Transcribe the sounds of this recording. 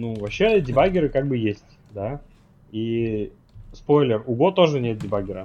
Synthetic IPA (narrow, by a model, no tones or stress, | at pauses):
nuvɐpɕːedʲɪbaɡʲɪɾɨkaɡ̚bɨjesʲtʲ | d̪a | i | spo̞jlʲɪrʊɡot̪o̞ʐɨnʲet̪̚dʲɪbaɡʲɪɾə